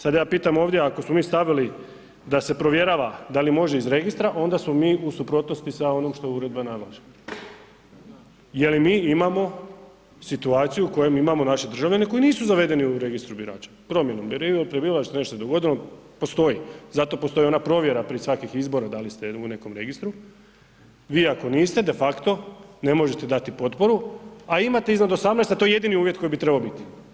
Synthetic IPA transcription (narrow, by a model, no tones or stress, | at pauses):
sad̪jaːpiːt̪amo̞ːʋd̪jeakosmo̞miːst̪aʋili | d̪ase̞pɾo̞ʋje̞ɾaʋad̪alimo̞ʒeizɾe̞ɡist̪ɾaʔo̞nd̪asmo̞miːusupɾo̞t̪no̞st̪isao̞no̞mʃt̪o̞uɾe̞d̪̚banaɡla̰ʒe̥ | je̞limiːimamo̞ | sit̪uaːt̪sijuuko̞jemimamo̞naʃed̪r̩ʒaʋʎʲane̞ko̞iniːsuzaʋe̞d̪e̞niuɾe̞ɡist̪ɾubiɾa̰ːt͡ʃḁpɾo̞mjenombiɾipɾebiʋalaʃt̪seneʃt̪osed̪oɡo̞d̪ilopo̞st̪o̞jizat̪o̞post̪o̞jo̞napɾo̞ʋje̞ɾapɾiesʋakixizbo̞ɾad̪alist̪eune̞ko̞mɾe̞ɡist̪ɾu | ʋiːako̞niːst̪e̞d̪e̞fakt̪o̞ne̞mo̞ʒet̪e̞d̪at̪ipo̞t̪po̞ɾuaimat̪eiznad̪osamnest̪at̪o̞jeje̞d̪iniuːʋjet̪ko̞jibit̪ɾebaobit̪i̥